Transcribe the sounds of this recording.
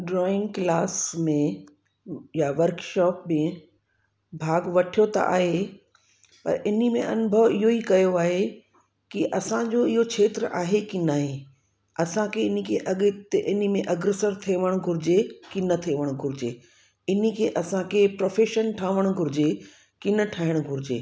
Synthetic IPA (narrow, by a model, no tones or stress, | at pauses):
ɖɾɔːɪ̃ŋɡklaːsmẽ | jaʋɐɾkʃɔːp̚mẽ | bʱaːɡʋɐʈʰijot̪ɐ̰ʔa̰ːɦe | pɐ̰ɾɪnimẽʔɐnʊbʱəʋɪɦoikɐjoaːɦe | kiʔɐsãd͡ʑoɪɦokʰeːt̪ɾʔa̰ːɦekinaːɦe | ɐsãkʰeɪnikʰeʔɐɠt̪eʔɪnimẽʔɐɡɾesəɾt̪ʰeːʋəɽ̃ɡʱʊɾɪd͡ʑekinɐt̪ʰeːʋəɽ̃ɡʱʊɾɪd͡ʑeː | ɪnikʰeːʔɐsãkʰepɾoːfeːʃənʈʰãːʋəɽ̃ɡʱʊɾɪd͡ʑe | kɪnə̆ʈʰaːɪɽ̃ɡʱʊɾɪd͡ʑḛː